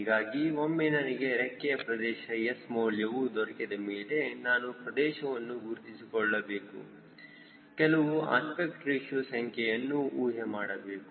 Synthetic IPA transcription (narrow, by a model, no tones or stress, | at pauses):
iɡaːɡiʋomːenɐniɡe̞ɾekːɛjɐpɾɐd̪ɛːʃɐjesmoːljɐʋud̪ɔɾɐkid̪ɐmɛːlenaːnupɾɐd̪ɛːʃɐʋɐnːuɡuɾt̪isikɔɭːɐbeːkṵ | kɛlɐʋua̰ːspekʈɾiʃusɐŋkʰɛjɐnːuuːɦɐmaːɽɐbeːku